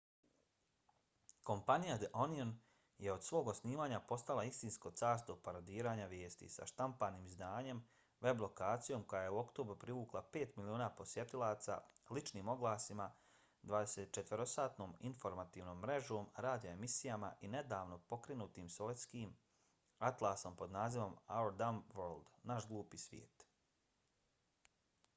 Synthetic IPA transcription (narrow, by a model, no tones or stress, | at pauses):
ko̞mpanijad̪eʔonion | je̞o̞d̪̥sʋo̞ːɡosniːʋaːɲapo̞st̪alaist̪insko̞t̪saːɾst̪o̞paɾad̪iːɾaːɲaʋjeːst̪ḭsa̰ʃt̪ampaniːmzd̪aːɲe̞m | ʋe̞blˠo̞kaːt̪sijo̞ːmko̞jaje̞uo̞kt̪o̞bɾupɾiʋuːklˠape̞ːt̪milioːnaːpo̞sjet̪ilˠaːt̪sa̰lit͡ʃniːmo̞ɡlˠaːsima | d̪ʋaːd̪eset̪t͡ʃet̪ʋeɾosaːt̪no̞ːminfo̞ɾmat̪iːʋno̞ːmːɾe̞ʒoːmɾaːd̪ijaemisijama̰ʔine̞d̪aːʋno̞po̞kɾe̞nuːt̪iːmsoʋet̪skiːm | at̪lˠaso̞mpo̞d̪naːziʋo̞maoɾd̪amʋoɾlˠd̪naʃɡlˠuːpiːsʋjḛːt̪